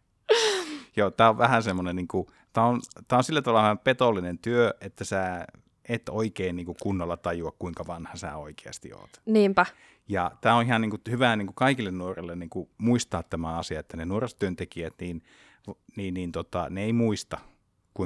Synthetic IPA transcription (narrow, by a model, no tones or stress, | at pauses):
joːt̪æːoʋʋæhæsemːonenniːŋku | t̪æːont̪æːõnsilːæt̪ɑʋɑlʋæhæmpet̪olːinent̪yøʔet̪ːæsæː | et̪oikeːnniːŋkukunːɑlːɑt̪ɑjuɑkkuiŋkɑʋɑnhɑsæ̰ːoikeɑ̰st̪ḭo̰ːt̪niːmpæ | jɑt̪æːonihɑniːŋkuhyʋæniːŋkukɑikilːennuorelːenniːŋkumuist̪ɑːt̪tæmæɑsiɑet̪ːænenuorest̪ːyønt̪ekiæt̪niːn | ʋniːnniːnt̪ot̪ɑ̰neeimuist̪ɑ | kui